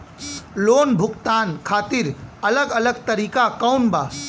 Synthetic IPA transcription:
loːnbʱʊkt̪aːnkʰaːt̪iɾələɡələɡt̪əɾiːkakanbaː

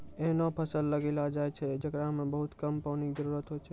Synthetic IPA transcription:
enopʰəsəlːəɡelad͡ʒajt͡ʃʰed͡ʒəɡɾamẽbəɦʊt̪kəmpəʋnid͡ʒəɾuɾət̪ɦojt͡ʃʰe

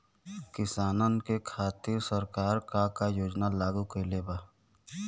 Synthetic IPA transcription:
kɪsaːnənkekʰaːt̪ɪɾsəɾkaːɾkakajoːd͡ʒnalaːɡukeleːbaː

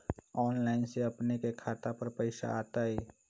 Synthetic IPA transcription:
ɔːnlaːɪnseəpnekekʰaːt̪apəɾpəɪsa̰aːt̪aɦɛː

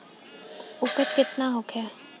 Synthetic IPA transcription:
ʊkət͡ʃkɪt̪naɦokʰɛː

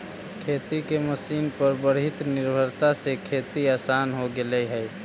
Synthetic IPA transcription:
kʰeːt̪ikeməsiːnpəɾbəɾɦɪt̪nɪɾbʱəɾt̪asekʰeːt̪iaːsaːnɦoɡɪlɛɦɛː

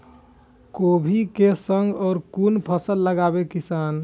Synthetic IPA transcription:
kobʱikesəŋɡɔːɾkunpʰəsəlːəɡabekisan

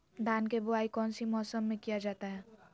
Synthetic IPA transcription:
d̪ʱaːnkebʊaːikɔːnsimɔːsəmːẽkijad͡ʒaːt̪aɦɛː

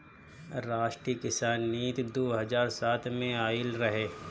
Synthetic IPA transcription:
ɾaːʃʈɾikɪsaːnːiːt̪d̪oːɦɐzaːɾsaːt̪ʰmẽaːɪlɾɐɦeː

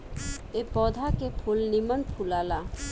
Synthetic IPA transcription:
epɔd̪ʱakepʰulnimanpʰulala

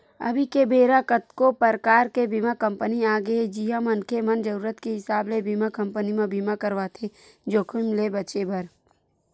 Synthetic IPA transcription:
ɐ̰bʱikebʱeːɾakət̪kopəɾkaːɾkebimakə̃mpəniaːɡed͡ʒiɦãmɐnkʰemɐnd͡ʒəɾuːɾət̪keɦɪsaːblebimakɐ̃mpənimẽbʱimakəɾʋat̪ʰed͡ʒoːkʰʊmlebɐt͡ʃebɐɾ

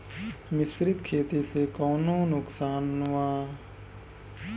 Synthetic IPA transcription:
mɪsɾɪd̪kʰeːt̪iːseːkoːnõːnʊksaːnːʋaː

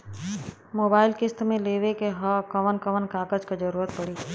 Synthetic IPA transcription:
moːbaːɪlkɪst̪mẽleːʋekeɦəkəʋənkəʋənkaːkəd͡ʒkad͡ʒəɾuːɾət̪̚pəɽiː

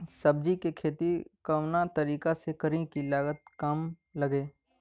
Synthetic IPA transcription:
sɐb̚d͡ʒikekʰeːt̪ikɐʋnat̪ɐɾiːkasekɐɾẽkilaːɡət̪̚kam | lɐɡeː

